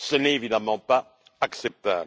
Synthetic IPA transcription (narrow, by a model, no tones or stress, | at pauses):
sənɛtevid̪amɑ̃paː | ksɛp̚t̪ab